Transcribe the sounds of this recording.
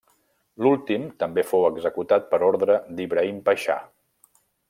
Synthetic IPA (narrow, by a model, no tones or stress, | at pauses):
lulˠt̪imt̪əmbefowəɡzəkut̪at̪̚pəɾoɾðɾəd̪iβɾəimpəʃa̰